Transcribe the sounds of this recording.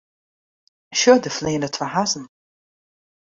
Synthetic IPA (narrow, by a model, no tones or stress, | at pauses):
ʃʊd̪əfleːnətʰfəɦazn̩